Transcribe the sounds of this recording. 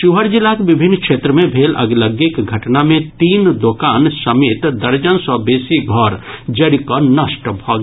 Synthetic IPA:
ʃuɦəɾd͡ʒɪlakʋɪbʱɪnːkʃeːt̪ɾəmẽbʱeːlʔɐ̰ɡləɡɪkɡʱɐʈnamẽt̪iːnd̪oːkaːnsɐmeːt̪d̪ɐɾd͡ʒənsɔbeːsiɡʱɔːɾd͡ʒɐɾikonəʃʈbʱɔːɡ

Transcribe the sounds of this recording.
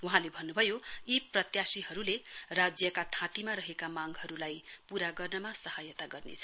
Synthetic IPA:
wuɦãlebʱʌnːubʱʌjoiprʌt̪jasiɦʌɾulerad͡zjʌkat̪ʰãt̪imaɾʌɦekamaŋɡɦʌɾulajpuɾaɡʌrnʌmasʌhajʌt̪aɡʌrnḛt͡sʰʌ

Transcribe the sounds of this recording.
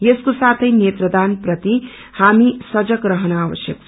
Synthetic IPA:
jeskosat̪ʰʌjnjet̪rʌd̪anprʌt̪i | hamisʌd͡zʌkrʌɦʌnʌabʌsjʌk̚t͡sʰ

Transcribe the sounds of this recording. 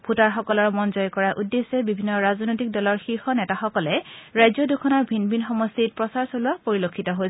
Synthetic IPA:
bʱutaɹxɔkɔlɔɹmɔnzɔjkɔɹaʔudːesɛbibʱinːɔɹaznojtik̚dɔlɔɹxixɔnɛtaxɔkɔlɛɹajzɔdukʰɔnɔɹbʱinbʱinxɔmɔstit̚pɹɔsaɹsolʊapoɹilokʰːitɔɦoj

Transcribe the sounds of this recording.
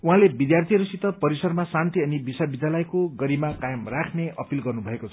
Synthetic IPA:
uɦãlebid̪jart̪ʰijʌɾusit̪ʌpʌɾisʌɾrmasant̪iʌnibisʌbid̪ʱjalʌjkoɡʌɾibmakajʌmrakʰneʔʌpilɡʌrnubʱʌekot͡sʰʌ

